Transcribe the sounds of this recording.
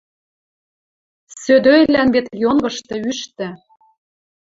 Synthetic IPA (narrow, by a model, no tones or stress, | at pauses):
sød̪øjlænbet̪jonɡɤ̆ʃt̪ɤ̆yʃt̪ɘ̆